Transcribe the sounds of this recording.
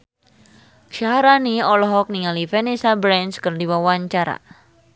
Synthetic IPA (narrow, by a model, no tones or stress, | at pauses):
ʃaɦaɾaniɔlɔɦɔk̚niŋalifɛnisabɾɛnskərdiwawaɲt͡ʃaɾa̰